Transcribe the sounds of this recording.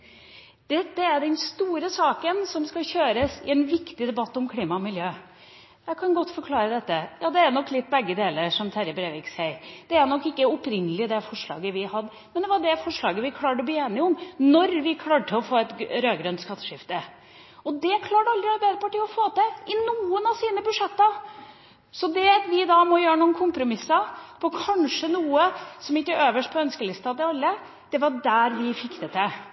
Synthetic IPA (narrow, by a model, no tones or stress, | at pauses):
d̪̥ɛd̪ɛæɖɛnst̪uːɾəsɑːkənsɔmskɑɕøːɾəsɪɛnʋɪkt̪ɪd̪ɛbɑt̪ːɔmkʰliːmɑɔmɪljøː | jæɪkʰɑnɡɔt̪ːfɔɾkʰlɑːɾəd̪ɛt̪ːəjɑːd̪ɛæɾnɔkːlɪt̪ːbɛɡːəd̪eːləɾʂɔmt̪ʰæɾəbɾeːʋɪksɛɪɾd̪̥ɛæɾnɔkːɪkːəɔpɾɪnːəlɪd̪ɛfɔʂɭɑ̰ːɡəʋɪhɑd̪ː | mɛnd̪ɛʋɑɖɛfɔʂɭɑːɡəʋɪkʰlɑːʈəɔbliːeːnɪəɔmnɔɾʋɪkʰlɑːʈʰəɔfoːɛt̪ɾøːɡɾœnt̪skɑt̪ːəʂɪft̪ə | ɔd̪ɛkʰlɑːʈəɑld̪ɾɪɑɾbæɪd̪əpʰɑʈɪlːɔfoːt̪ɛɪnuːənɑʋsiːnəbʉʂɛt̪ːə | sɔd̪ɛʋɪd̪ɑmɔjøːɾənuːənkʰʊmpɾʊmɪsːəpʰɔkʰɑnʂənuːəsɔmɪkːəøːʋəʂʈ̚pʰɔœnskəlɪst̪ɑt̪ɛɑlːə | d̪̥ɛʋɑɖæɾʋɪfɪkːd̪ət̪ɛ